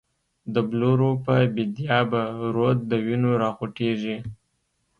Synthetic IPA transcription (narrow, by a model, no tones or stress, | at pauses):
d̪əbloɾopəbɪd̪jɑbaɾod̪̚d̪əwinoɾɑxoʈeʐi